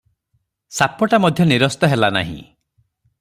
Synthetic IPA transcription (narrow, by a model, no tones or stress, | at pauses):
sapɔʈamɔd̪ʱjɔniɾɔst̪ɔɦelana̰ɦḭ̃